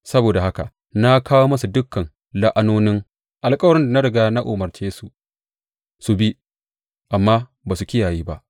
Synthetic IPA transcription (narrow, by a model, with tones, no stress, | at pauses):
sɐ˦boː˨da˨ha˦ka˨ | na˦kʰaː˦woː˦mɐ˦su˨dʊ˦kːɐ˨n | la˦ʔa˦noː˦nɪ˦ŋ | ʔa˨lkʼɐ˦wɐ˨ɾɪ˦nda˨na˦ɽɪ˨ɡaː˦na˦ʔoː˨mɐ˨rt͡ʃeː˦su˨ | su˨bi˦ | ʔa˨mːaː˦ | baː˨su˨kʲɪ˦jaː˨jiː˦ba˦ʔ